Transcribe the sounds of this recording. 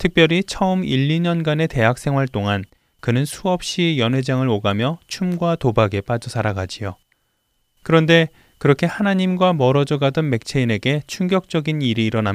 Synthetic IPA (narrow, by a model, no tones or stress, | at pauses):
tʰɯk̚pjʌɾit͡ɕʰʌɯmiʎːiɲʌnɡane̞te̞ɦak̚s͈ʰe̞ŋwaɭt͈oŋan | kɯnɯnsʰuʌp̚ɕ͈ijʌnɦe̞d͡ʑaŋɯɭoɡamjʌt͡ɕʰumɡwatobaɡe̞p͈ad͡ʑʌsʰaɾaɡad͡ʑijo | kɯɾʌnde̞ | kɯɾʌkʰe̞hanaɲimɡwamʌɾʌd͡ʑʌɡadʌnme̞k̚t͡ɕʰe̞ine̞ɡe̞t͡ɕʰuŋɡjʌk̚t͡ɕ͈ʌɡiniɾiːɾʌnam